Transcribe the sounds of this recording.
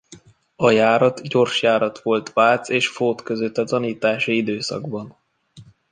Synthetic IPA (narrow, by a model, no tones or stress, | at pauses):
ɒjaːɾɒt̪ɟo̞rʃjaːɾɒt̪ʋo̞lt̪ʋaːt̪seːʃfoːt̪køzøt̪ːɛt̪ɒniːt̪aːʃiid̪øːsɒ̰ɡbɒn